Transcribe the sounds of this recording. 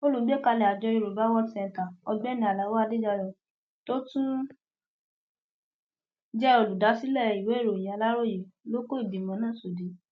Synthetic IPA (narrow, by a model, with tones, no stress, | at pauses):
o˦lu˨˦ɡ͡be˦ka˧lɛ˨a˨d͡ʒɔ˧i˧ɾo˨ba˨˦wɔ˦sɛ̃˧n˨ta˨ɔ˧ɡ͡bɛ˦nĩ˧˦a˨la˨˦wa˦˧˦de˦d͡ʒa˧jɔ˧˨ | to˦tũ˦ | d͡ʒɛ˦ɔ˧lu˨da˨˦si˦lɛ˦˨i˨we˨˦e˦ɾo˨j̃ã˨a˨˧la˦ɾo˦˨je˨lo˦ko˦i˦˨di˨mã˨˦nãː˦˨so˨di˨˦